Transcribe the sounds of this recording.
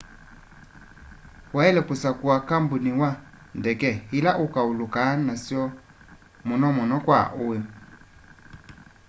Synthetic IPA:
waɛlɛkusakuakambuniwa | ndɛkɛilaʔukaulukanasjɔ | mɔnɔmɔnɔkwa̰ʔʊe

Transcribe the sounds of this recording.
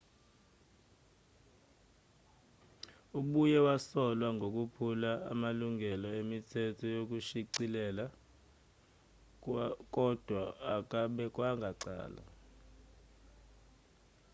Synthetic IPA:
uɓujɛwasɔlwaŋɡʱok̬ʼupʰulaa̰maluŋʱɛlɔemitʰɛtʰɔjok̬uʃiǀilɛla | kʼɔd̥ʱwaːk̬ʼaɓɛk̬ʼwaŋɡʱaǀa̰ːla̰

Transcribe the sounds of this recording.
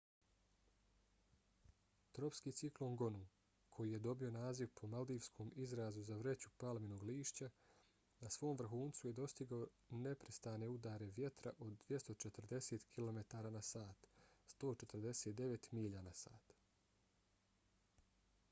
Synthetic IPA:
t̪ɾo̞pskiːt̪siklo̞ŋɡo̞nu | kʰo̞jije̞d̪o̞bio̞naːziʋpʰo̞mald̪iːʋskʰo̞ːmizɾaːzuzaʋɾe̞t͡ɕupalmino̞ːɡliːʃt͡ɕa | nasʋo̞ːmʋr̩xuːnt̪suje̞d̪o̞st̪iɡao | ne̞pɾest̪aːne̞ud̪aːɾe̞ʋje̞t̪ɾa̰ʔo̞d̪ːʋje̞st̪o̞t͡ʃet̪r̩d̪e̞set̪kʰilo̞me̞t̪aːɾaːnasaːt̪st̪o̞ːt͡ʃe̞t̪ɾd̪e̞seːt̪̚d̪e̞ʋe̞t̪miːʎanasa̰ːt̪

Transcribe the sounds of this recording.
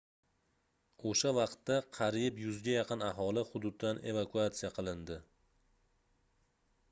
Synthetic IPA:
oʃavɑqt̪ːaqʰɑɾjɪpjʊzɡʲajɑqʰɨnaɦɒlɪhʊd̪ʊd̪ːane̞̰vakʰuat̪sijaqʰɨlˠɪnd̪ɪ

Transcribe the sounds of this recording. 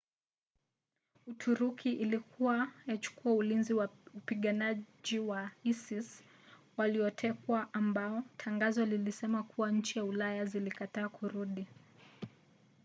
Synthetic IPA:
utʰuɾukʰiʔilikʰuwajat͡ʃu̥kuaulinziwaupiɠanaʄiwaisis | waliɔtʰɛkwaʔːmbaɔtʰaŋɡazɔlilisɛmakʰuwaɲ̩t͡ʃijaulajazilikataːkʰuɾuɗi

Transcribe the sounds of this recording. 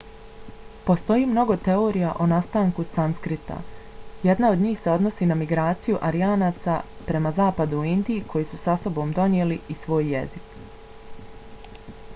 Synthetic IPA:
po̞st̪o̞jiːmno̞ɡo̞t̪e̞o̞ːɾijaʔonast̪aːŋkusanskɾit̪a̰je̞d̪nao̞d̪ɲiːxse̞o̞d̪no̞sinamiɡɾaːt̪sijuʔaɾiaːnaːt̪sapɾe̞mazaːpad̪uuind̪iikʰo̞jiːsusaso̞bo̞ːmd̪o̞njeːliisʋo̞ːjːe̞zik

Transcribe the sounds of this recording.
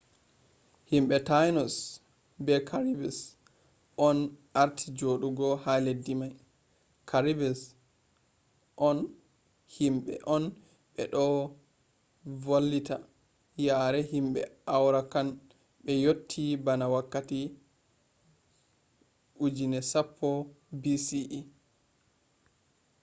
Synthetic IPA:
himɓɛtajnɔs | bɛkʰaɾibɛs | ʔɔnʔaɾtʰid͡ʒoɗuɡɔhaledːimaj | kʰaɾibɛs | ʔɔn | himɓɛ̰ʔɔn | ɓɛɗɔ | volːita̰ | jaːɾɛhimɓɛ̰awɾakan | ɓɛjotʰːibanawakːati | ʔud͡ʒinɛsapʰːɔ | bisiʔi

